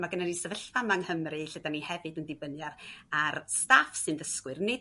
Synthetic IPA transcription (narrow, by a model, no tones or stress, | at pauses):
maɡənanisəvəɬvamaŋhəmrɨɬədanihɛvɨdəndɪbənjararstafsɨnðəskwɨrne